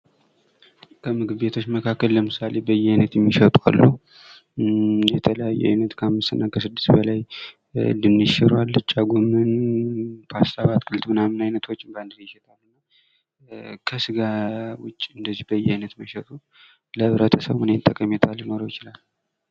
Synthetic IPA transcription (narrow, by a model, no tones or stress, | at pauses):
kʰəmɨɡɨbet̪ʰo̞t͡ʃːməkʰakːəlːəmɨsale̞bəjɛajnət̪jɛmːiʃət̪ʼwa̰lːu | jɛt̪ʰələjajːɛ̰a̰jnət̪kʰəamːɨst̪ɨnːakʰəsɨd̪ːɨstbəlaj | lɨnːɨʃɛɾalːɨt͡ʃʼːaɡumɨn | pʰast̪ʰaβat̪kʼɨlt̪mɨnamɨnajnət̪ʰwot͡ʃːɪband̪ɨɾjɪʃɛt̪ʼalːɨnːa | kʰəsɨɡawʊt͡ʃʼːiɨnd̪əzibəjɛajnət̪məʃət̪ʼu | ləɨβɾət̪ʰəsəβmɨnent̪ʼːəkʼəmet̪ʰaljnoɾojɪt͡ʃɪlal